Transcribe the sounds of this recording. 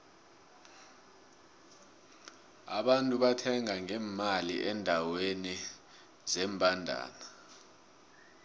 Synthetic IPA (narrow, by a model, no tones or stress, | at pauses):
a̰ɓantʼuɓatʰɛŋaŋɛːmaliʔɛndʱaweni | zɛːmpʼandʱa̰ːna